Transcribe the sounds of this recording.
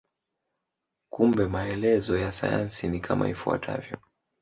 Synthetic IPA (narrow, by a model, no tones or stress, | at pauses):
kumbɛmaɛlɛzɔjasa̰ja̰nsinikʰamʔa̰ifua̰tʰa̰vjɔ